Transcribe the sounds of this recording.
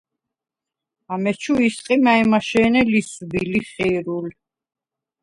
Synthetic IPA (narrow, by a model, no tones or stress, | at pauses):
amɛt͡ʃʰuisqʼimaimaʃɛːnɛlisbiliχiɾul